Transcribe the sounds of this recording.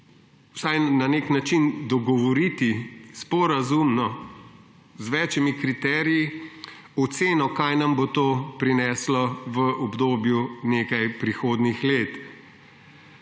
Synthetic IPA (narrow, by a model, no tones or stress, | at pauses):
wsajnaneknat͡ʃind̪ɔɡɔʋɔɾit̪ispɔɾazumnɔ | zʋɛːt͡ʃɛmikɾit̪ɛːɾiji | ɔt̪seːnɔkajnɐmbot̪oːpɾinɛːslɔʋəʔɔbd̪oːbjuneːkajpɾixoːd̪nixleːt̪